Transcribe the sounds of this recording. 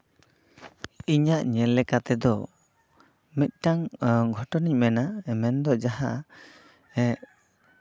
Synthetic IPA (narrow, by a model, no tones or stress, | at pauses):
iɲaʔɲɛlːɛkat̪ɛd̪ɔ | mit̪̚ˀʈaŋɡʱɔʈɔniɲmɛnamɛnd̪ɔd͡ʒaɦaʔ | ɛ